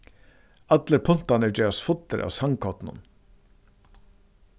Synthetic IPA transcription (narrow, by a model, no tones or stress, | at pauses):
ɑd̪ləɾpʰʊn̥t̪ɑnəd͡ʒɛɑsfʊt̪əɾʔa̰ːsɑŋkʰɔt̪nʊ̰n